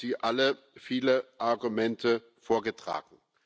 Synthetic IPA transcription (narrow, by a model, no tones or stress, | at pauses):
z̥iːʔalə | fiːləʔaɐɡumɛntʰə | foːɐɡətʁ̥a̰ːɡŋ̩